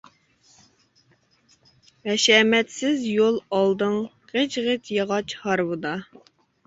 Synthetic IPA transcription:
ɛʃɛmɛt̪sɪzjolˠɑlˠd̪ɨŋ | qet͡ʃʁət̪jɑʁɑt͡ʃhɑɾwɨd̪ɑ

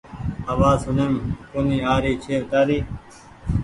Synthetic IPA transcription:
əʋaːsʊneːmkoniːaːɾiːt͡ʃʰeːʋt̪aːɾiː

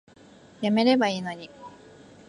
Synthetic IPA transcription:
jame̞ɾe̞baiːno̞ɲ̟i

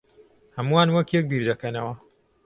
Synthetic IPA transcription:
hɐmuwaːnwɐkjɛk̚biːɾd̪ɐkɐnɐwɐ

